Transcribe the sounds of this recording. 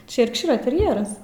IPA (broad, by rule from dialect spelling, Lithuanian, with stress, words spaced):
ˈt͡ʃʲɛ jɛrkˈʃʲiːrɐ tʲɛrʲˈjæːrɐs